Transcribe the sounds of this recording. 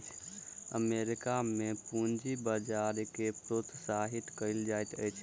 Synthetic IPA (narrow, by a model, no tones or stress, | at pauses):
t͡ʃʰə̰meɾikamepũnd͡ʒibəd͡ʒaɾkepɾot̪saɦit̪kəɪld͡ʒajt̪ə̰jt͡ʃʰ